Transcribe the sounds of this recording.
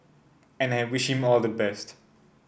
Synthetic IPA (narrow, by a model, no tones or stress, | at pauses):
ɛ̃naɪwɪʃhĩmɔlˠdəbɛst